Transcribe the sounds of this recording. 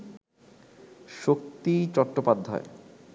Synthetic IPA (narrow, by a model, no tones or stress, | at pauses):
ʃok̚t̪it͡ɕɔʈʈːopad̪ʱːa̰e